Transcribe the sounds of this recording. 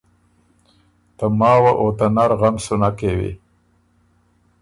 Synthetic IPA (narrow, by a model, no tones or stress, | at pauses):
t̪amɑːwaʔot̪anaɾɣamsunakewḛ